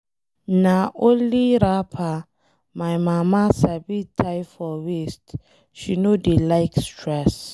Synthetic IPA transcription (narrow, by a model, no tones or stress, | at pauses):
naʔoliɾapʰa | majmamasabitʰajfɔwist | ʃinodelajkstʰɹɛs